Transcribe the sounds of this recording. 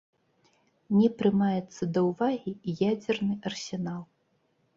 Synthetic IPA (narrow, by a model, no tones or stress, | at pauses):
nʲɛpɾɨmajɛt̪sːɐd̪ɐwvaɣʲijad͡zʲɛrnɨʔɐrsʲɛnalˠ